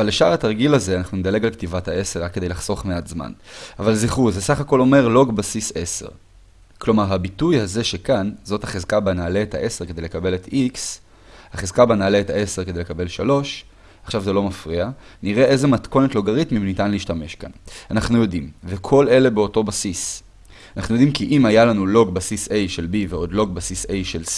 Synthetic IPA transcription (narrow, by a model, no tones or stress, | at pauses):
avaleʃaʁataʁɡilaze̞anaχnuned̪ale̞ɡalktivatae̞se̞ʁakːedejlaχso̞χmeatzma̰navalziχuzesaχako̞lo̞me̞ʁlo̞ɡbasise̞se̞̰ʁ | klo̞maʁɦabitujhaze̞ʃe̞kanzo̞thaχezkabanaːleːta̰ʔe̞se̞ʁkede̞jlekabe̞let̪ʰiks | haχezkabanaːleːthae̞se̞ʁked̪elekabe̞lʃalo̞ʃ | aχʃavzelo̞mafʁianiʁe̞ʔe̞ze̞matko̞netlo̞ɡaʁitmimnitanliːʃtame̞ʃka̰nanaχnujo̞dimve̞kʰo̞le̞le̞beo̞to̞basis | anaχnujo̞d̪imkiʔimajalanulo̞ɡbasise̞jʃe̞lbiveo̞dlo̞ɡ̚basisejʃel